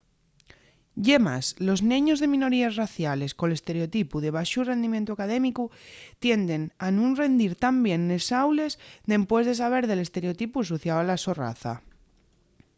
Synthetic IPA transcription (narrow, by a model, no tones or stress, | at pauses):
ɟ͡ʝema̰slo̞znẽ̞ɲozðe̞mĩno̞ɾiazraθjale̞skole̞st̪e̞ɾeot̪ipuðe̞β̞aʃure̞nd̪imjent̪uakað̞e̞mikut̪je̞nd̪e̞nanũnre̞nd̪iɾt̪ambje̞nːesawle̞zd̪e̞mpwe̞zðe̞s̬aβ̞e̞ɾðe̞le̞st̪e̞ɾeot̪ipusoθjawalasora̰θa̰